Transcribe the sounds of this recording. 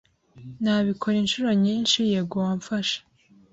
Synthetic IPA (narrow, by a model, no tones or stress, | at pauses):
naβikʰo̞ɾinʃuɾoɲinʃijeɡoaɱfaʃḁ